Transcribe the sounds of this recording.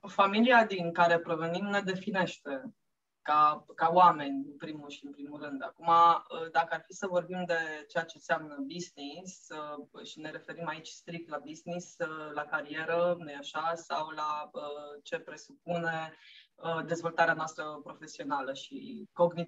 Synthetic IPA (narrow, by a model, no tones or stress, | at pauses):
familiad̪iŋkaɾe̞pɾo̞venimne̞d̪e̞fine̞ʃt̪e̞ | kakaoame̞nʲɨnpɾimulʃiɨnpɾimulrɨnd̪akumaəd̪akəarfisəvo̞rbimd̪e̞t͡ʃeat͡ʃe̞seamnəbiznisəʃine̞ɾe̞fe̞ɾimait͡ʃʲst̪ɾik̚t̪labiznisəlakaɾie̞ɾənujaʃasawlaət͡ʃe̞pɾe̞sup̚une̞əd̪e̞zvo̞lt̪aɾeanoast̪ɾəpɾo̞fe̞sio̞naləʃḭko̞ɡni